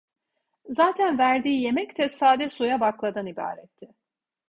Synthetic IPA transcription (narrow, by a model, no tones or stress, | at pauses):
zaːt̪ʰænvæɾd̪iːje̞mɛct̪ʰɛsaːd̪ɛsujabaklˠad̪aniba̰ːɾɛt̪ʰːɪ